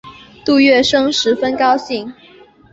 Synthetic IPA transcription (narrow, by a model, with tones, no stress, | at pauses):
t̪u˥˧ɥɛ˥˩ʂɤ˥ŋʂɻ̩˧˥fə˥nkɑ˥ʊɕi˥˩ŋ